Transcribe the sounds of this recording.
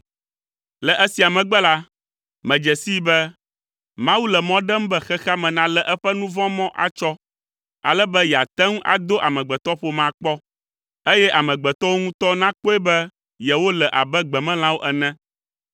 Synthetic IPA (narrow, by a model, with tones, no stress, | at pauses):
lɛ˨ʔɛ˦si˨a˨mɛ̃˨ɡ͡bɛ˦la˦ | mɛ̃˨d͡ʒɛ˨si˦bɛ˦ | mã˦wu˦lɛ˨mɔ̃˦ɖɛ˦m˦bɛ˦xɛ˦xa˦mɛ̃˨nã˦lɛ˨ʔɛ˦ɸɛ˦nũ˦vɔ̃˦mɔ̃˦ʔa̰˨t͡ʃɔ˦ | a̰˨lɛ˦bɛ˦jɛ˨a˨t̪ɛ˦ŋ˦ʔa̰˨d̪o˦ʔa˨mɛ̃˨ɡ͡bɛ˨t̪ɔ˦ɸo˦mã˨k͡pɔ˦ | e˦jɛ˦ʔa˨mɛ̃˨ɡ͡bɛ˨t̪ɔ˦wo˦ŋũ˦t̪ɔ˦nã˦k͡po˦ɛ˦bɛ˦ | jɛ˨wo˦lɛ˨ʔa˨bɛ˦ɡ͡bɛ˨mɛ̃˦l̃ã˦wo˦ʔɛ˨nɛ̃˦